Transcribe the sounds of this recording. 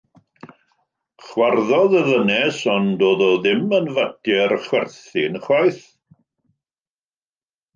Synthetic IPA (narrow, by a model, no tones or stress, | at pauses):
χwarðɔðəðənɛsɔndoːðɔðɪmənvadjɛrχwɛrθɪnəχwajθ